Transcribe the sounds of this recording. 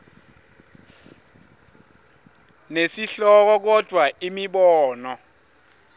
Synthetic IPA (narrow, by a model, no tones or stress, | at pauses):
nesiɬɔk̬ɔk̬ɔd̥ʱwaimiɓɔːnɔ